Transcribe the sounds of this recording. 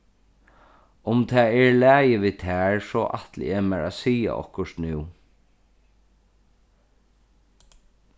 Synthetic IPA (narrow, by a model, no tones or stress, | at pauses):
ʊmt̪ʰaːɛɹlæːjɪʋiːt̪ʰæːɹsɔːʔa̰t̪l̰ɛːmɛɹa̰siːa̰ʔɔ̰hkʊʂt̪nɪw